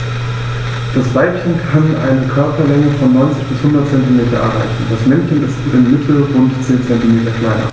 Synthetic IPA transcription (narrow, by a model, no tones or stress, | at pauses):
d̥asv̥aɪpçənkʰanʔa̰ɪnəkʰœɐpɐlɛŋəfɔnːɔʏnt͡sɪçb̥ɪshʊndɐt̚t͡sɛntimeːtɐʔɛ̰ɐʁaɪçn̩d̥asmɛnçənɪstɪmːɪtʰl̩ʁʊntt͡seːnt͡sɛntimeːtɐkʰl̥aɪnɐ̰